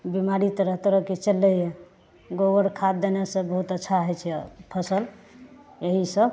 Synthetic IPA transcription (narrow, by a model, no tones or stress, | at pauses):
bimaɾit̪ɾəɦt̪ɾəkit͡ʃəlːəje | ɡowəɾkʰad̪̚d̪enesə̃bəɦut̪ətːʃʰaɦɛt͡ʃʰɛpʰəsəl | jeɦisəb